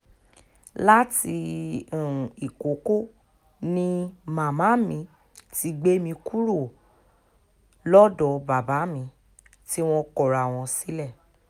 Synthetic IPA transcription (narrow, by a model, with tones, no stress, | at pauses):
la˦ti˧ũ˨i˨ko˨˦ko˦ | nĩ˦mã˨mã˨˦mĩ˧ | ti˧ɡ͡be˦mĩ˧ku˦ɾo˦˨ | lɔ˦dɔ˨ba˨ba˨˦mĩ˧ | ti˦w̃ɔ̃˧kɔ˦˨ɾa˨w̃ɔ̃˧si˦lɛ˦˨